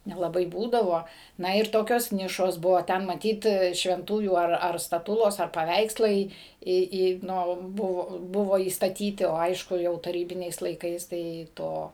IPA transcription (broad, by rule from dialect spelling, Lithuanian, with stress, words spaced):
nʲɛlˠɐˈbɐɪ ˈbuːdɐʋoː ˈnɐ ɪr ˈtoːkʲoːs ˈnʲɪʃoːs ˈbʊʋoː ˈtʲɛn mɐˈtʲiːt ʃʲʋʲɛnˈtuːjuː ɐr stɐˈtʊlˠoːs ɐr pɐˈʋʲɛɪkslˠɐɪ ˈiː ˈiː ˈnʊ ˈbʊʋoː ˈbʊʋoː iːstɐˈtʲiːtʲɪ oː ˈɐɪʃkʊ jɛʊ tɐˈrʲiːbʲɪnʲɛɪs lˠɐɪˈkɐɪs ˈtɐɪ ˈtoː